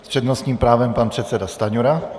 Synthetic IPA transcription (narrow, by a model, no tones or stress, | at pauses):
spr̥ɛdnost̪ɲiːmpɾaːvɛmpanpr̝̥ɛt̪sɛdast̪aɲuɾa